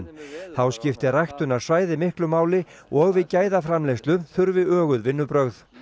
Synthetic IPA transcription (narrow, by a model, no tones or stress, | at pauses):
nθawscɪft̪ɪrajht̪ʏnaɾ̥svaːjðɪmɪhklʏmaːwlɪɔɣvɪðcaːjðafɾamlejst̪lʏmθʏɾvɪœːɣʏðvɪnːʏpɾœɣθ